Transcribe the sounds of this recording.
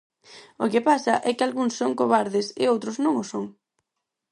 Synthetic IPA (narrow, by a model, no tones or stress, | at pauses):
okɪpasɐʔɛkɪalɣuŋsːoŋkoβaɾðɪsɪowt̪ɾʊznõŋʊsoŋ